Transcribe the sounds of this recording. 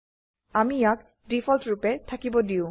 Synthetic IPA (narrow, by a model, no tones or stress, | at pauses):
amijak̚ | dipʰɔltɹupɛtʰakibɔdiʊ̃